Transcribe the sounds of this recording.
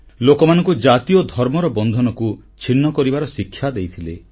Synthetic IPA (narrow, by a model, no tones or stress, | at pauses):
lokɔmanɔ̃ŋkud͡ʒat̪iɔd̪ʱɔɾmɔɾɔbɔnd̪ʱɔnɔku | t͡ʃʰinːɔkɔɾibaɾɔsikʰːjad̪ejt̪ʰilḛ